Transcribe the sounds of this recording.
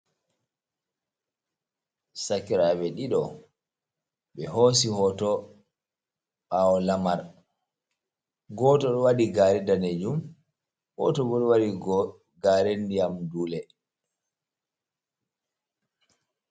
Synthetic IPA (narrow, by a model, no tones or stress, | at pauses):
sakiɾaɓɛɗiɗɔ | ɓɛɦos̬ihɔtɔ | ɓaɔlamaɾ | ɡɔːtɔɗɔwaɗiɡaɾɛdaned͡ʒum | hɔ̰tɔbɔɗɔwaɗiɡɔ | ɡaːɾendijamduːlɛ